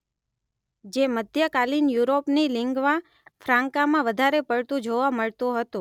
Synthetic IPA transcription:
d͡ʒeməd̪ʱjəkalinjuɾopnilɪŋɡʋã | fʰɾãŋkamãʋəd̪ʱaɾepəɭt̪ũd͡ʒoʋaməɭt̪õɦət̪ũ

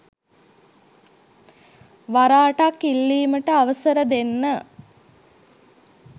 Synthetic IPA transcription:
ʋaɾaːʈakːilːiːməʈəaʋəsəɾəd̪enːə

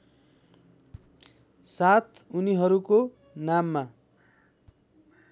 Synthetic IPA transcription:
sat̪ʰuniɦʌɾuko | namːa

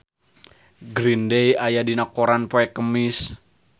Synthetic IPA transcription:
ɡɾindejajadinakoɾanpoɛkːəmɪs

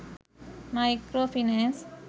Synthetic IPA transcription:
majkɾofinẽns

